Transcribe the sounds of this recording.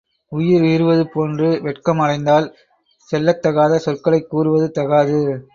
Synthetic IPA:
ʊjɪɾʋiːɾɯʋɐðɯpoːndrɯʋɛʈkɐmɐɽɐɪnd̪aːl | sɛlːɐt̪ːɐɣaːðɐsɔrkɐɭɐɪkːuːɾɯʋɐðɯt̪ɐɣaːðɯ

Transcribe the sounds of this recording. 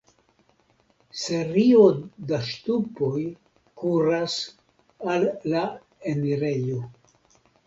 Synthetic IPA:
se̞ɾiodaʃtupoj | kuɾas | alːa | eniɾe̞jo

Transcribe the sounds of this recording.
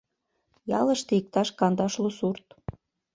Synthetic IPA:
jɑləʃt̪eik̚t̪ɑʃkɑnd̪ɑʃlosurt̪

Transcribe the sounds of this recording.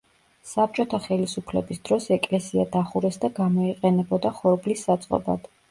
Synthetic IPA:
sap̚t͡ʃʼɔt̪ʰaχɛlisupʰlɛbisd̪̥ɾɔsɛkʼlɛsiad̪aχuɾɛsd̪aɡamɔiqʼɛnɛbɔd̪aχɔɾblisːat̪sʼqʼɔ̰ba̰d̪̥

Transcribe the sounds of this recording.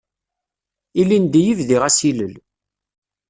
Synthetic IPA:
ilːind̪ijivðiʁæsiləl

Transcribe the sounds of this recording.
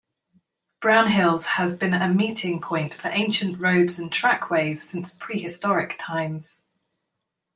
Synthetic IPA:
b̥ɹãʊ̃nɦɪlˠz̥əzbĩnəmiˑtʰɪ̃ŋpʰɔ̃ɪ̃ntfəɹʔẽɪ̃nʃə̃nʔɹəʊdz̥ə̃ntʰɹ̥akʰweɪz̥sɪ̃nspʰɹ̥iːɪstɒɹɪktʰãɪ̃mz̥

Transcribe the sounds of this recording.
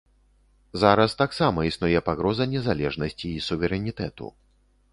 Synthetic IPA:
zaɾɐst̪aksamɐisnujɛpaɣɾɔzɐnʲɛzalʲɛʐnɐsʲt͡sʲiːsuvʲɛɾɛnʲit̪ɛt̪ṵ

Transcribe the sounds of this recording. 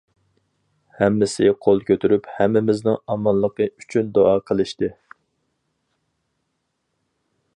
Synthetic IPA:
hɛmːɪsɪqʰolˠkʲʰøt̪ʰyɾyphɛmːɪmɪznɪŋɑmɑnlˠəqəyt͡ʃʰynd̪oɑːqʰəlˠɨʃt̪ɨ

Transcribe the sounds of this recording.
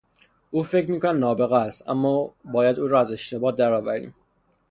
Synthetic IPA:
ʔuːfe̞cʰɾmiːkʰonæd̪nɒːbe̞ɣæst̪æ̰mːɒːbɒːjæd̪uːɾɒːæze̞ʃt̪ʰe̞bɒːt̪̚d̪æɾɒːvæɾḭːm

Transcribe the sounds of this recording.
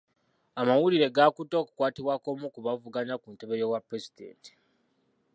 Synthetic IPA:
amawuliɾe̞ɡaːkuto̞ːku̥kwaːtiβwaːko̞mukuβavuɡaɲakunte̞βe̞jowapɾe̞zidḛːnti̥

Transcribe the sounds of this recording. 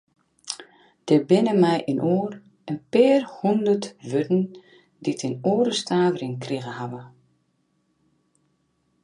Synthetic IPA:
d̥ɛbɪnəmɛjʔinʔoːr | ənpɪːrhundərtʋøtn̩ | ditʰɪnoːɾəstʰaːvərɪŋkriɣəhaʋə

